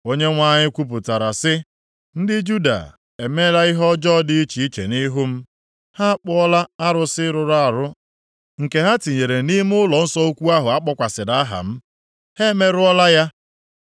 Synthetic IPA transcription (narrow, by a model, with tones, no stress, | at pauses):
o˦ɲe˦ŋʷa˦ɲɪ˦kʷu˦p̬ʊ˨ta˨ɾa˨sɪ˦ | n̩˦dɪ˦d͡ʒu˦da̰˨ | e˨me˦la˦ɪ˦ɦɔ˦d͡ʒɔ˦dɪ˦i˦t͡ʃi˨i˦t͡ʃḛ˨ni˦ɦʊ˦m̩˦ | ha˦a˦k͡pʊ˦ɔ˦la˦a˦ɾʊ˦sɪ˦ɾʊ˨ɾa˦a˨ɾʊ˦ | ŋ̩˨ke˨ɦa˦ti˨ɲe˨ɾe˨ni˦m˦ʊ˦lɔ˨n̩˦sɔ˦o˦kʷu˦a˦ɦʊ˨a˦k͡pɔ˦kʷa˨sɪ˨da˦a˦ɦa̰˨m̩˦ | he˦me˦ɾʊ˦ɔ˦la˦ja˦